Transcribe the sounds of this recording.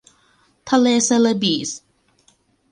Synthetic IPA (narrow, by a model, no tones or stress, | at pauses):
t̪ʰalesɛləbis